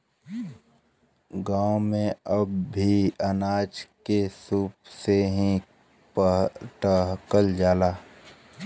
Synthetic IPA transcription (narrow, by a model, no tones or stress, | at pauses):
ɡaːõmẽəbʱiənaːd͡ʒkesuːpseɦĩ | pəʈəɦkəld͡ʒaːlaː